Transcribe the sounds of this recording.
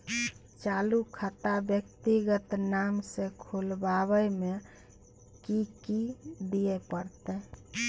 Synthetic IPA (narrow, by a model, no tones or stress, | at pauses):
t͡ʃalukʰat̪abjəkt̪iɡət̪namsẽkʰulbaβəjme | kikid̪iepəɾt̪ɛ